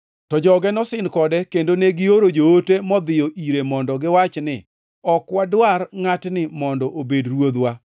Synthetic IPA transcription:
tɔd͡ʒɔɡɛnɔsɪnkɔdɛkendoneɡɪoɾod͡ʒootemɔd̪ɪjɔʔiɾemɔndɔɡɪwat͡ʃnɪ | ɔkwadwarŋatnɪmɔndɔʔobedɾwod̪wa

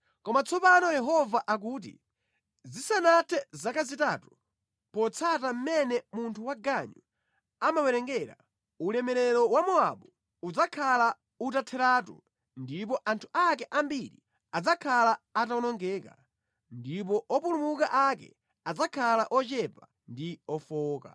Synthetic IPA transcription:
kɔmat͡sʰɔpanɔjɛɦɔvaʔak̬uːt̬ḭ | zisanatʰɛzakazitaːtu | pɔt͡sʰatam̩mɛnɛmuntʰuwaɡaɲu | amawɛɾɛŋɡɛɾa̰ | ulɛmɛɾɛɾɔwamɔa̰ɓu | ud͡zakʰala | utatʰɛɾaːtṵ | ndip̬ɔʔantʰu̥ʔak̬ɛʔambiɾḭ | ad͡zakʰalaːtaɔnɔŋɡɛːka | ndip̬ɔʔɔpulumukaʔakɛ̰ | ad͡zakʰalaʔɔt͡ʃɛpa | ndiɔfɔːka̰

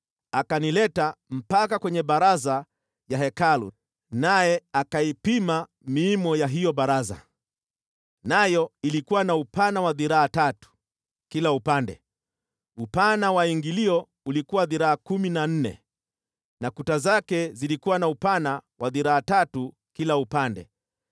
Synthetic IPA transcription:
akanilɛtam̩pakakwɛɲɛɓaɾaza | jaɦɛkalṵ | najɛakaipima | miːmɔjaɦijɔɓaɾaza̰ | najɔilikuwanaupanawaðiɾaːtatu̥ | kilaupandɛ̰ | upanawaiŋɡiliɔ | ulikuwaðiɾaakuminan̩nɛ̰ | nakutazakɛzilikuwanaupanawʔaðiɾaːtatu | kilaupandɛ̰

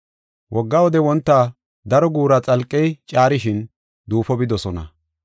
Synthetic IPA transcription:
wʔɔɡːɐwɔd̪ɛwɔnt̪ːaː | d̪ɐɾɔɡuːɾɐt͡sʼɐlkʼːɛjt͡ʃʼaːɾɪʃɪn | d̪uːfɔbɪd̪ɔsɔnɐ̰

